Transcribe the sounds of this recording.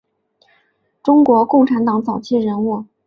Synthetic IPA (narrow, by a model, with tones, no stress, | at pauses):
ʈ͡ʂʊ˥ŋkwɔ˧˥kʊ˥˩ŋʈ͡ʂʰa˧˥nt̪ɑ˨˥ŋt͡sɑ˨˩ʊt͡ɕʰi˥˩ɻə˧˥nu˥˩